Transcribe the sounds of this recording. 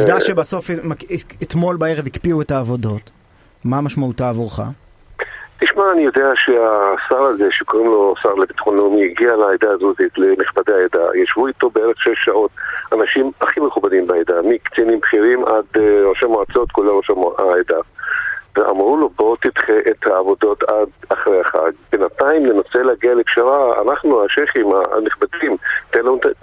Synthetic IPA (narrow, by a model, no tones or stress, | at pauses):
d̪aʃebaso̞fmaket̪mo̞lbae̞ʁevikpiuetaːvo̞do̞t̪ | mamaʃmautaːvuʁχa̰ | tiʃmaːnijo̞deaʃeasaʁazeʃekoʁimlo̞saʁlebit̪χonomiɡialaːjd̪aazuzit̪leniχbadeaed̪a̰jaʃvuit̪obeeʁeχʃeʃːao̞t̪anaʃimaχimeχubadimbeaed̪amikt͡sinimbχiʁimʔad̪ʁoʃamoat͡so̞t̪kulaʁoʃamoajd̪a | veʔa̰mʁulo̞bo̞t̪id̪χeʔet̪haːvo̞do̞t̪ad̪aχʁejaχa̰ɡbenataimlenose̞leaɡialekʃaʁaa̰naχnuaʃeχima̰niχbadimt̪enlanuta